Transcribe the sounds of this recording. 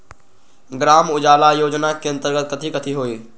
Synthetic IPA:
ɡɾaːmʊd͡ʒaːlajoːd͡ʒnakeɐ̃nt̪əɾɡət̪̚kət̪ʰikət̪ʰiɦoːiː

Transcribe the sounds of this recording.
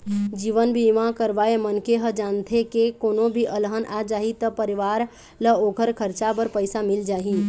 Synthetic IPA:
d͡ʒiːʋənbʱimãkəɾʋaːemənkeɦəd͡ʒaːnt̪ʰekekoːnõbʱiʔəlɦənʔad͡ʒaːɦit̪əpəɾɪʋaːɾ | ləoːkʰəɾkʰəɾt͡ʃabəɾpəɪsamɪld͡ʒaːɦi

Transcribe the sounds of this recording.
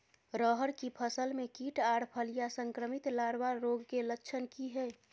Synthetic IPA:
ɾəɦəɾkipʰəsəlmẽkiːʈaːɽpʰəlijasə̃ŋkɾəmɪt̪laːɾwaɾːoːɡkeləkːt͡ʃʰənkiɦɛː

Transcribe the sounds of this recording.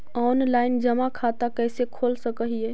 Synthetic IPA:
ɔnlaɪnd͡ʒəmakʰat̪akəjsekʰolsəkəɦijɛ

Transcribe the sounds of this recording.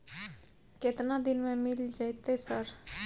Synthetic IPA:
kɪt̪nad̪ɪnmẽmɪld͡ʒajt̪esəɾ

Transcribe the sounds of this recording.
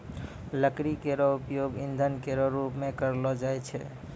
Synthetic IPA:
ləkɾikeɾɔupjoɡind̪ʱənkeɾɔɾupmekəɾlɔd͡ʒajt͡ʃʰɛ̰

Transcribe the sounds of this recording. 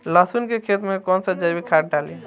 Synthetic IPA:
lasunkekʰet̪mekɔnsəd͡ʒəbikʰaʈ̚ɖali

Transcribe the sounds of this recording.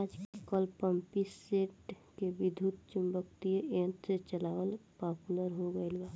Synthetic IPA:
aːd͡ʒkəlpəmpiseːʈ | kebɪd̪ʱut̪t͡ʃumbəkt̪ieʔẽːnt̪set͡ʃəlaːwəlpaːpuləɾɦoɡəelbaː

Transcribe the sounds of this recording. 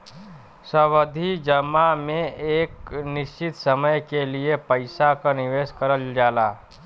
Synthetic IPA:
səʋəd̪ʱid͡ʒəmːamẽeːknɪʃt͡ʃɪt̪səməjkeliepəɪsakanɪʋeːskəɾəld͡ʒaːlaː

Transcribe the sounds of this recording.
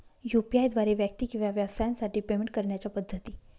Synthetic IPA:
jupiajd̪ʋaɾeʋjək̚t̪ikĩw̃ʋaʋjəʋsajansaʈiːpemeɳʈ̚kəɾɳjat͡ɕjapəd̪ʱːət̪iː

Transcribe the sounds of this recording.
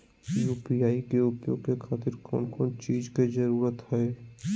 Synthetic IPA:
juːpiaːikeʊpjo̰ːɡ̚kekʰaːt̪ɪɾkɔ̰ːnkɔːnt͡ʃiːd͡ʒked͡ʒəɾuːɾət̪ɦɛː

